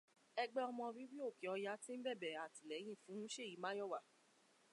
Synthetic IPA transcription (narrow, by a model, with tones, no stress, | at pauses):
ɛ˧ɡ͡bɛ˦ɔ˧mɔ̃˧ɾi˦ɾi˦o˦˨ke˨ɔ˧ja˦tĩ˦m̩˦bɛ˦˨bɛ˨a˨ti˨lɛ˨˦j̃ĩ˦˨fũ˨˦ũ˦ʃe˦˨ji˨˦mã˦jɔ˦˨wa˨